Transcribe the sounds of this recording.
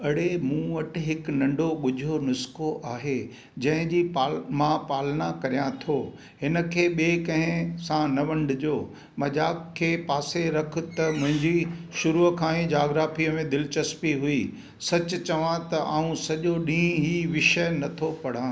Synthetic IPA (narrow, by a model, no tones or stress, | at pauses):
ɐɽemũːʋɐʈɦɪknɐ̃ɳɖʱoɠʊd͡ʑʱonʊskoʔaːɦe | d͡ʑɐ̃ɦɪ̃d͡ʑiːpaːlmãpaːlñakɐɾijãt̪ʰoː | ɦɪnə̆kʰeːɓeːkɐ̃ɦɪ̃sãnɐʋɐ̃ɳɖʊd͡ʑoː | mɐʄaːkkʰːeːpaːseɾɐkʰʊ̆t̪ɐmʊ̃ɦɪ̃ɲd͡ʑiʃʊɾukʰãːẽd͡ʑaːɡɾaːfiəmẽd̪ɪlɪt͡ɕɐspiɦui | sɐt͡ɕʊ̆t͡ɕɐʋãt̪ɐʔaːũsɐʄoɗĩːɦiːʋɪʃəjnɐt̪ʰopɐɽ̤ãː